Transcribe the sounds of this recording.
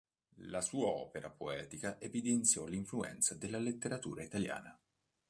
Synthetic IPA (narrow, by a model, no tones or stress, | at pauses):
lasuːaɔ̰ːpeɾapoɛːt̪ikaʔevid̪ent̪sjɔliɱfluɛ̰nt̪sad̪elːalet̪ːeɾat̪ṵːɾait̪alja̰ːna